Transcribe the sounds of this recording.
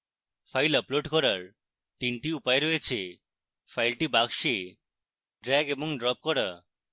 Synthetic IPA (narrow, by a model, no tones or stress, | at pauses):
fʰajləploɖkɔɾaɾ | t̪inʈiupaeɾɔet͡ɕʰe | fʰajlʈibaɡʃe | ɖɾɛɡeboŋɖɾɔp̚kɔɾa